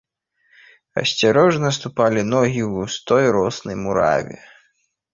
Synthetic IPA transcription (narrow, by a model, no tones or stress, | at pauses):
ɐ̰sʲt͡sʲaɾɔʐnɐst̪upalʲinɔɣʲiwust̪ɔjɾɔsnɐjmuɾa̰vʲɛ̰